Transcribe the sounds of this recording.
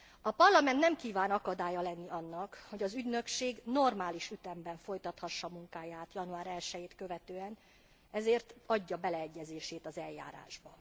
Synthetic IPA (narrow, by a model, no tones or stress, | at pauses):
ɒpɒrlɒmɛnt̪nɛmkiːvaːnɒkɒd̪aːjɒlɛnːiʔɒnːɒkho̞ɟɒzyɟnø̞kʃeːɡno̞rmaːliʃyt̪ɛmbɛɱfo̞jt̪ɒt̪hɒʃːɒmuŋkaːjaːt̪jɒnuaːɾɛlʃɛjeːt̪kø̞vɛt̪øːɛn | ɛzeːrt̪ɒɟːɒbɛlɛɛɟːɛzeːʃeːt̪ɒzɛlja̰ːɾa̰ːʒbɒ